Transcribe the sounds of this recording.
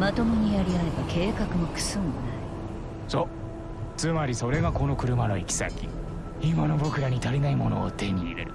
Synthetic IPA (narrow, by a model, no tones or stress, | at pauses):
mat̪o̞miɲ̟ijaɾʲiaɾe̞bakʰe̞ːkakɯ̟mokɯ̟̥sɨnonai | so | t͡sɨmaɾʲiso̞ɾe̞ɡako̞no̞kɯ̟ɾɯ̟mano̞ikʲi̥sa̰kʲi | imano̞bo̞kɯ̟ɾaɲ̟it̪aɾʲinaimo̞no̞̰ːt̪e̞ɲ̟iːɾeɾɯ̟